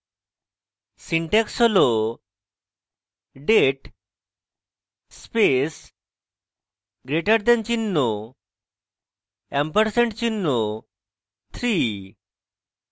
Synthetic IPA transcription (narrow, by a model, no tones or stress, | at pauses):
siɳʈɛksɦolo | ɖeʈ | spes | ɡɾeʈaɾd̪ɛnt͡ɕinːo | ɛmpəɾseɳʈt͡ɕinːo | t̪ʰɾi